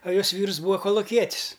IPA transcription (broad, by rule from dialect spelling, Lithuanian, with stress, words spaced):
ɐ ˈjoːs ˈʋʲiːrs ˈbuːɐ koːlˠʊˈkʲiɛtʲɪs